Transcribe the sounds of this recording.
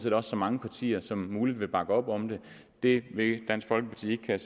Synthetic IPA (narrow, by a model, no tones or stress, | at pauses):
sedɒ̽sːɒ̽mɑ̈ŋəpʰɑ̈t͡sʰḭːɐsɒ̽mːuːlid̥ʋe̝b̥ɑ̈ɡ̥əɒ̽b̥ɒ̽md̥e̝ | d̥e̝ʋe̝d̥æn̰sɡ̥fɒ̽l̰ɡ̥əpʰɑ̈t͡sʰḭːe̝ɡ̥kʰæ